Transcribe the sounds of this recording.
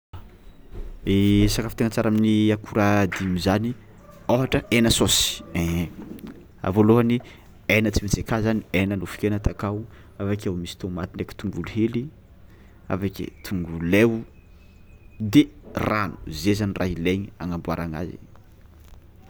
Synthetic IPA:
esakafit̪eŋat͡saɾaminiakuɾad̪imizani | oɦaʈ͡ʂəenəsosi̥e | a̰voloɦani | enət͡simet͡sekazanienənufi̥kʲenat̪akaw | avakawmisi̥t̪omat̪ineki̥t̪uŋɡuluheli | a̰vakḛt̪ʰuŋɡulew | d̪eranu̥zezanirʔaɦileɲiaŋambuaɾaŋa̰zḭ

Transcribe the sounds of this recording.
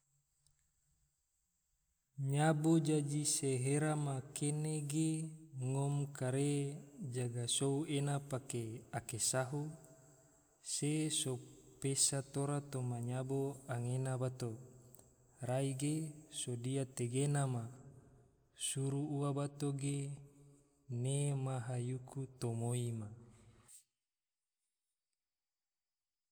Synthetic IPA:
ɲabod͡ʒad͡ʒiseɦeɾamakeneɡeŋomkaɾed͡ʒaɡasouenapakeakesaɦu | sesopesat̪oɾat̪omaɲaboaŋenabat̪o | ɾaiɡesodiat̪eɡenama | suɾuuabat̪oɡe | nemaɦajukʰut̪omoima

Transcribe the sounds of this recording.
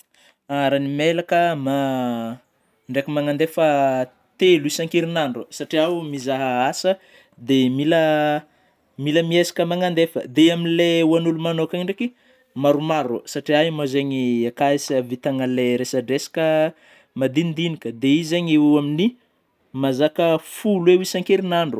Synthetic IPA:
aɾanimelakəma | ɳɖ͡ʐekimaŋand̪efə | t̪eluisaŋkiɾinaɳɖ͡ʐəsaʈ͡ʂiawmizaɦəasə | d̪emilə | miləmiesḁkəmaŋand̪efə̰d̪eaminleuanulumanokaɳɖ͡ʐeki | maɾumaɾə̰saʈ͡ʂiaimazeɲiakaisvit̪aŋəleɾesəɖ͡ʐesḁkə | mad̪ind̪inikəd̪eizeɲeamini | mazakəfulwewisaŋkiɾinaɳɖ͡ʐu

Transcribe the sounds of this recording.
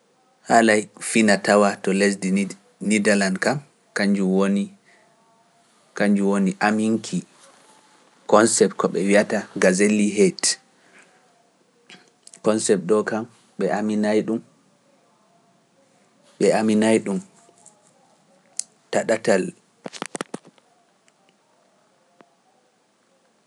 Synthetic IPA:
halajfinatawatɔlesdi | nidalandkam | kaɲd͡ʒuwoni | kaɲd͡ʒuwoniʔamiŋkʰi | kɔnsɛp̚tkɔɓɛwiataɡazeliɦet | kɔnsɛp̚ɗɔkam | ɓɛʔaminajɗum | ɓɛaminajɗum | taɗatal

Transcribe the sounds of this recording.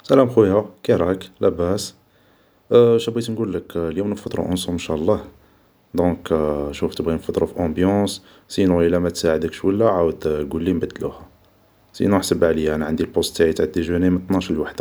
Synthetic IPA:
sælæmxujækiɾˤæklʔæbæs | ʃæbit̪nɡulːəkljumnəfɑt̪ˤɾɑ̰ʔʊnsumənʃæʔlˤːɑh | d̪ɔ̃kʃuft̪əbɣinəfɑt̪ˤɾˤɑfiʔɑ̃bjɑ̃s | sinuʔəlːæmæt̪saʕəd̪əkʃwəlːæʕawəd̪ɡulːimbəd̪ːluhæ | sḭnuħsəbʕləjːaænæʕand̪ilpost̪iʕit̪aʕd̪ːeʒənimənt̪ˤnɑʃlwaħd̪a

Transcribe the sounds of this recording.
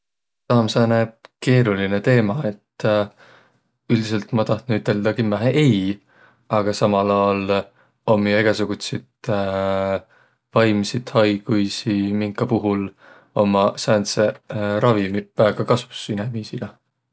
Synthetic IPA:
sɑːmsɑːnæb̥̚ke̞ːɾuline̞t̪e̞ːmɑe̞t̪ː | yld̪ise̞lt̪mɑt̪ɑht̪nuyt̪ːˑe̞ld̪̥ɑkimːæɦeʔej | ɑɡ̥ɑsɑmɑlɑl | o̞mːijeɡ̥ɑsuɡ̥ut̪sit̪ | vɑjmisit̪hɑjɡ̥ujsimiŋkːˑɑpuɦul | o̞mɑsænseɾɑvimivæːɡ̥ɑkɑsvusinemiːsilɑ

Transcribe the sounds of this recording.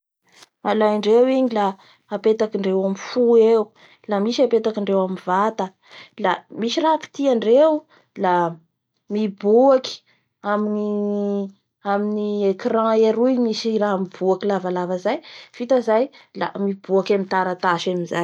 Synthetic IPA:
malajɳɖ͡ʐewiɲila | apet̪akiɳɖ͡ʐewamifuewu | lamisiapet̪akiɳɖ͡ʐewamivat̪ə | lamiʃirapi̥t̪iaɳɖ͡ʐew | la | mibuaki̥ | amini | aminiekrãeɾujmisiɾaɦmibuakilavalavəzajfit̪azajla̰mib̥uakamint̪aɾat̪aʃamizaj

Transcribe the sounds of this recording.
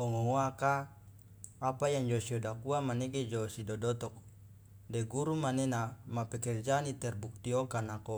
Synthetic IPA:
oŋooakaː | pajaŋd͡ʒosiodakuamaneɡed͡ʒosidɔdɔt̪ɔk̚ | dɛɡuɾumanenamapɛkɛrd͡ʒanit̪ɛrbuk̚t̪iokanako

